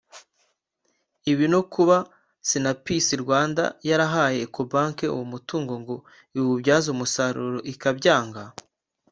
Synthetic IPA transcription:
iβinokuβa | sinapisiɾɡwaːnda̰jaɾaɦaːje̞kʰobaːŋkeṵwumutuːŋɡo̞ŋɡo̞ | iwubɟaːzumusaɾuɾoʔikabɟaːŋɡa

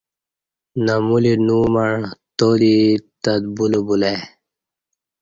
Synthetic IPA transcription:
namulinuːmaɳt̪olit̪ad̪̚bulobule

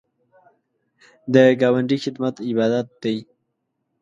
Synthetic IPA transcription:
d̪əɡɑwaɳɖixɪd̪mat̪ɪbɑd̪at̪̚d̪aj

